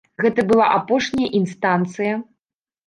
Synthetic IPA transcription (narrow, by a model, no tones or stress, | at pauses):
ɣɛt̪ɐbɨlˠa̰ʔapɔʂnʲɐjɐʔinst̪ant̪sɨjɐ